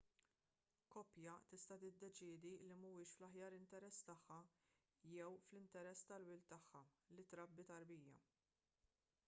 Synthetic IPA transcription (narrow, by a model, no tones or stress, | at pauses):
kɔpjɐt̪ɪst̪ɐt̪ɪd̪ːɛt͡ʃɪːd̪ilimɐwɪːʃflɐħjɐːɾɪnt̪ɛɾɛsːt̪ɐħːɐ | jɛwflɪnt̪ɛɾɛsːt̪ɐlwɪlt̪ɐħːɐlit̪ɾɐbːit̪ɐɾbiːjɐ̰